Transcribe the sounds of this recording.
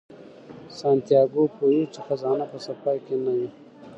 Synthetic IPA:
sɑnt̪ijɑːɡopojit͡ʃexazɑːnapəsafɑjkenaji

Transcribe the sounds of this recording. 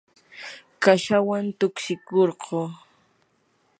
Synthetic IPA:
kaʃawant̪ʊkʃɪkoɾɢoː

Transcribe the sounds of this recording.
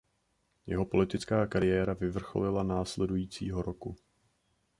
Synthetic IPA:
jɛɦo̞po̞lɪt̪ɪt͡skaːkaɾɪjɛːɾavɪvr̩xo̞̰lɪlanaːslɛdujiːt͡sḭːɦo̞ɾoku

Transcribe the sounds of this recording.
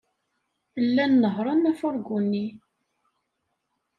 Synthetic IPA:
lːænːəɦɾˤɑnːæfʊɾˤɡunːi

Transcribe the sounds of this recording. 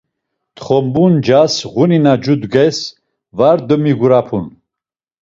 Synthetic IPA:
t̪χɔmbund͡ʒasʁuninad͡ʒud̪ɡɛs | vaɾd̪əmiɡuɾapʰun

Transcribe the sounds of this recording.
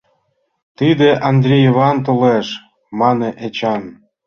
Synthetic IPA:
t̪id̪eʔɑnd̪ɾʲejβɑnt̪oleʃ | mɑneʔet͡ɕɑn

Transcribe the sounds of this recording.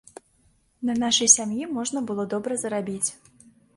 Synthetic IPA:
nɐnaʂɐjsʲamjimɔʐnɐbɨlˠɔd̪ɔbɾɐzɐɾabʲit͡sʲ

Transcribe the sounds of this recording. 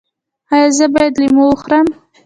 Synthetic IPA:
ɑjɑzəbɑjad̪limoxɾam

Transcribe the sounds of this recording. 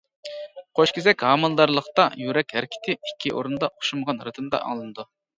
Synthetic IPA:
qʰoʃkʲʰizɛkʲhɑːmɨlˠd̪ɑɾlˠəχt̪ɑjyɾɛkʲhæɾkʲʰi̥t̪ʰɪikʲʰːiʔo̰ɾund̪ɑʔoχʃuməʁɑnɾɨt̪ʰɨmd̪ɑ̰ʔɑ̰ŋlˠɨnɨd̪u

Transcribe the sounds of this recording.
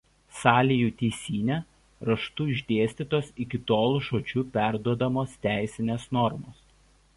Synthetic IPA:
sɑːlʲijuːt̪ʲɛɪsʲiːnʲɛ | ɾɐʃt̪uːɪʒʲd̪ʲeːsʲt̪ʲiːˑt̪oːsɪkʲɪt̪oːlˠuʃoːt͡ʃʲuːpʲæˑɾd̪uɔd̪ɐmoːst̪ʲæˑɪsʲɪnʲeːsnɔɾmoːs

